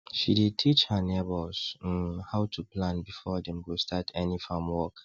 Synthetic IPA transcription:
ʃiditʰit͡ʃhənebɔlz̥haʊtʰuplãnbifɔdɛ̃mɡustʰatʰɛnifãmwɔk

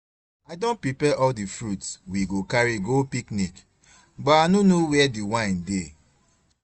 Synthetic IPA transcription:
aɪdõnpɹipɛʔɔldifɹutswiɡokaɹiɡopiknik | bɔtanonowɛdiwãɪ̃nde

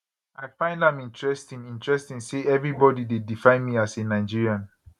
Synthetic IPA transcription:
aɪfãɪ̃ndãmĩntɹɛstĩŋĩntɹɛstĩŋseʔɛvɹibɔdidedifãɪ̃nmiasenaɪd͡ʒiɹiãn

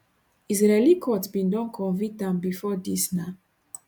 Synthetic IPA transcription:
izɹɛlikʰɔtbĩndɔ̃nkʰɔ̃nvik̚tãmbifɔdisna

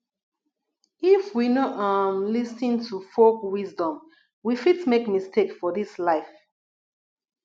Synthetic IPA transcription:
ifwinɔʔamlistĩŋtʰufokwizdɔ̃m | wifitmekmistʰekfɔðislaɪf

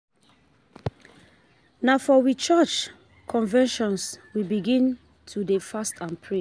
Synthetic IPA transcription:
nafɔwit͡ʃɛt͡ʃ | kʰɔ̃nvɛ̃nʃɔ̃nswibiɡĩn | tʰudefastʰãnpʰɹe

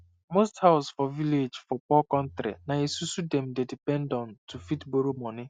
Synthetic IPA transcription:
mosthaʊsfɔviled͡ʒfɔpɔkɔ̃ntɾḭnaesusudɛmdedipɛ̃ndɔ̃ntufitboɾomɔnɪ

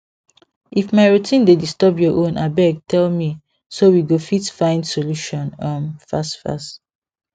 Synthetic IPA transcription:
ʔifmaɪɹutʰĩndedistɔbjɔʔõna̰bɛɡ̚tʰɛlmi | sowiɡofitfãɪ̃ndsoluʃɔ̃nʌ̃mfastfa̰st

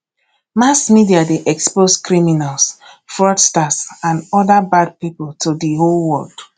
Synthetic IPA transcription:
masmidiadeʔɛksposkɹiminalˠsfɹɔdstasãndɔdabad̚pipʊlˠtʰudiɦolwɔld̥

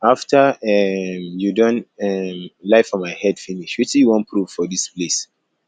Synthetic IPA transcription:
aftʰəɛmjudɔ̃nɛmlaɪfɔ̃nmaɪhɛd̥finiʃwisijwɔ̃npʰɹuv̥fɔðisples

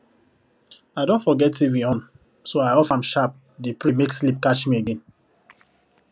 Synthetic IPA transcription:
aɪdõntfɔɡɛtivĩɔ̃n | soaɪɔfãmʃap̚ | depɹimekslip̚kat͡ʃmieɡẽn

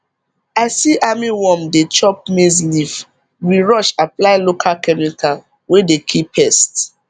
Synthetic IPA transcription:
aɪsiʔamiwɔ̃mdet͡ʃɔp̚mezliv | wiɹɔʃaplaɪlokʰalkɛmikʰal | wedekʰipʰːɛst

